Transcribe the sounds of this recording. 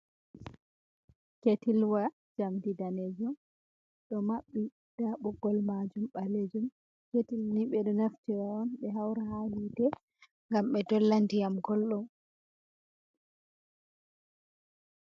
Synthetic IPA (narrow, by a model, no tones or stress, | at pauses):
ketilwa | d͡ʒamdidaned͡ʒɔm | ɗɔmaɓːi | d̥aɓɔɡɔlmad͡ʒumɓaled͡ʒum | ketilniɓɛɗɔnaftiwaɔnɓɛɦawɾahalitɛ | ŋɡamɓɛdɔlːandijamɡɔlɗɔm